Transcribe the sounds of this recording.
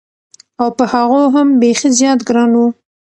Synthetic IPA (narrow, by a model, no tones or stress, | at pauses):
awpəhaɣoɦambexezjɑt̪ɡɾɑnwu